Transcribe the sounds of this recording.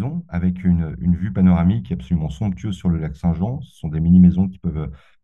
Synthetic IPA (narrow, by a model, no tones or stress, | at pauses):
zɔ̃avɛkʰynøynvypanɔʁamikʲːapsɔlymɑ̃sɔ̃pt̪ɥøzsyʁləlaksɛ̃ʒɑ̃sə̥sɔ̃d̪eminimezɔ̃kʲi̥pœvø